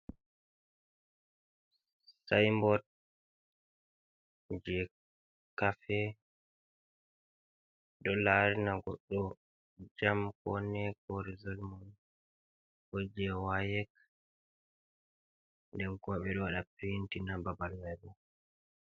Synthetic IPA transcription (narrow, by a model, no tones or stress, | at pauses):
sajmbɔt̚ | d͡ʒɛ | kafɛ | ɗɔlaɾinaɡɔ̰ɗːɔ | d͡ʒamkɔnɛkɔɾizɔlmɔn | hɔd͡ʒɛwajɛk | ndɛnkɔɓɛɗɔwaɗapintinababalmɛbɛ